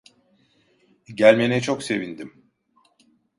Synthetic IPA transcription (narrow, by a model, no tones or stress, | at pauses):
ɟælʲme̞nɛt͡ʃʰo̞kse̞vind̪im